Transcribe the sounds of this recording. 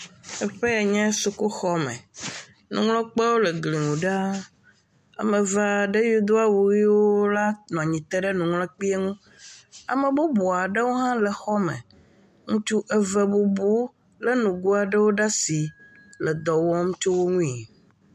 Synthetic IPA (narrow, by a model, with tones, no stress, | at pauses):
ɛ˦ɸe˦e˨ɲɛ̃˦su˦ku˦xɔ˦mɛ̰̃˨ | nũ˨˦ŋlɔ̃˦k͡pɛ˦wo˦le˨ɡli˨ŋũ˨ɖa˦ | a̰˨mɛ̃˨va˦ɖe˦ju˦d̪o˦a˦wu˨wi˦wo˦la˦nɔ̃˨a˨ɲĩ˨t̪ɛ˦ɖɛ˦nũ˨ŋlɔ̃˦k͡pi˦e˦ŋũ˦ | a̰˨mẽ˨bo˦bo˨a˨ɖɛ˦wo˦ɦã˦lɛ˨xɔ˦mɛ̰̃˨ | ŋũ˦t͡ʃu˦ʔɛ˦vɛ˨bu˦bu˦ | lɛ˦nũ˨ɡu˦a˨ɖɛ˦wo˦ɖa˦si˨ | lɛ˨d̪ɔ˨wɔ˦ŋũ˦t͡ʃo˦wo˦ŋũ˦i˨